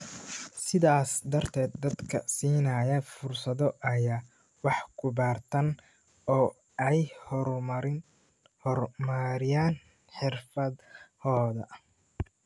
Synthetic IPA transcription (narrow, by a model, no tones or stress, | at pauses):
sɪðaːsd̪ɐrt̪ʰɛːd̪̚ːɐd̪kʰɐ̰siːnɐjɐfʊrsɐðɔʔɐjaː | wɑħkʰʊβaːrt̪ʰɐn | ɔː | ɛjhɔɾmɐɾɪ | ɔrmɐɾɪjaːn | ħɪrfɐd̪hɔːðɐ